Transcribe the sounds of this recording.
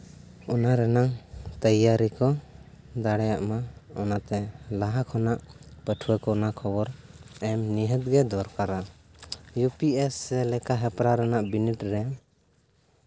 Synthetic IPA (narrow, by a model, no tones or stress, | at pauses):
ɔnaɾɛnaŋt̪əjaɾikɔ | d̪aɽɛjaʔmaɔnat̪ɛlaɦakʰɔnaʔpəʈʰuwɛkɔnakʰɔbɔɾɛmniɦət̪̚ɡɛd̪ɔɾkaɾa | jupiɛsɛlɛkaɦɛpɾaɾɛnaʔbiniʈɾɛ